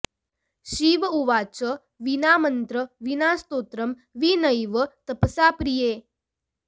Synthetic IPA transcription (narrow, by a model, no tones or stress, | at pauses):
ɕiʋuʋat͡sə | ʋinamənt̪ɾəʋinaːst̪ot̪ɾəm | ʋinəjʋət̪əpsapɾijeː